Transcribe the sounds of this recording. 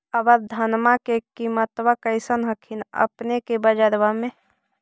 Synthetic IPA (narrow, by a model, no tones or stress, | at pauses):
əbəɾd̪ʱənmakekimət̪wakəɪsənɦəkʰinə̰pnekebəd͡ʒəɾʋamẽ